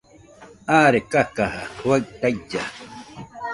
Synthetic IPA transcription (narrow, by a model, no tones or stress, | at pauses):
aːɾekakahawajt̪ajd͡ʒa